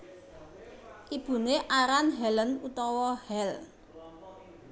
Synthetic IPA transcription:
ʔib̥ṳneʔaɾanɦɛlənut̪ɔwɔhɛl

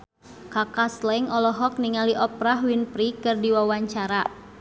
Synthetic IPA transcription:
kakaslɛŋɔlɔɦɔk̚niŋaliʔɔpɾaɦwinpɾikɨrdiwawaɲt͡ʃaɾa

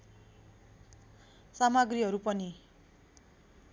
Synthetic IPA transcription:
samaɡriɦʌɾupʌni

